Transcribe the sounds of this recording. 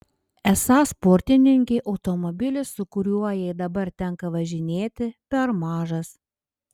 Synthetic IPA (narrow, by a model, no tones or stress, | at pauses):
ɛsɑːspɔɾʲt̪ʲɪnʲɪŋʲkʲɛɪʔɒʊt̪ɔmɔbʲɪlʲɪsʊkʊɾʲuɔjɛɪd̪ɐbɐɾt̪ʲɛŋkɐʋɐʒʲɪnʲeːt̪ʲɪpʲɛɾmɑːʒɐs